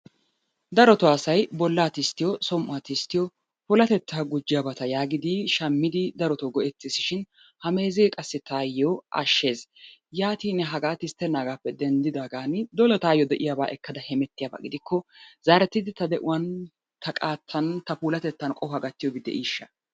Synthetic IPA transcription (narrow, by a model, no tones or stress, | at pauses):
d̪ɐɾɔt̪ɔaːsɐjbɔlːaːt̪ɪst̪ːɪjɔsɔmʔʊat̪ɪst̪ːɪjɔ | pʊlɐt̪ɛt̪ːaːɡʊd͡ʒːɪjabɐt̪ɐjaːɡɪd̪ɪʃɐmːɪd̪ɪd̪ɐɾɔt̪oɡɔʔɛt̪ːɪsɪʃɪn | hɐme̞ːzeːkʼɐsːɪt̪aːjːɔʔɐ̰ʃːe̞ːzjaːt̪iːnɛɦɐɡaːt̪ɪst̪ːɛnːaːɡaːpːɛd̪ɛnd̪ɪd̪aːɡaːnɪd̪ɔlɛt̪aːjːɔd̪ɛʔɪjaːba̰ːʔɛkːɐd̪ɐhɛmɛt̪ːɪjaba̰ːɡɪd̪ɪkːɔzaːɾɛt̪ːɪd̪ɪt̪ɐd̪ɛʔʊwɐn | t̪ɐkʼaːt̪ːɐnt̪ɐpuːlɐt̪ɛt̪ːɐnkʼɔhɐɡɐt̪ːɪjɔbɪd̪ːɛ̰ʔiːʃːɐ